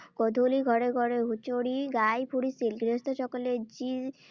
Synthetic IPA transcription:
kɔd̪ʱoliɡʱɔɾeɡʱɔɾeɦut͡ʃoɽiɡajpʰuɾisilɡɾiost̪oʃɔkoled͡ʑi

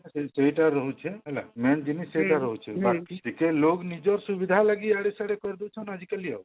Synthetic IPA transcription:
seiʈaɾəɦut͡ʃʰɛɦɛla̰mɛnd͡ʒinisejʈaɾəɦut͡ʃʰɛbakiikeloɡnid͡ʒɔɾsubid̪ʱalaɡiaɽesaɽekɔɾd̪t͡ʃʰɔnad͡ʒʱikelijaw

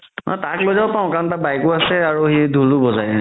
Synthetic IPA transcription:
ɔ̰jtaklojzabɔpãʊ̃kantabajkʊasɛaɹuhedʱulʊbɔzajɛ

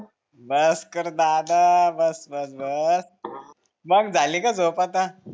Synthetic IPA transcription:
bəskəɾd̪ad̪abəsbəsbəs | məɡd͡zalikad͡zopat̪a

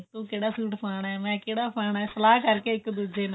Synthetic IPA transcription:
t̪õːkeːɽaːsuːʈpaːɳɛːmɛ̃ːkeːɽaːpʰaːɳɛːsəlaːkəɾkeːɪkːd̪ud͡ʒeːnã

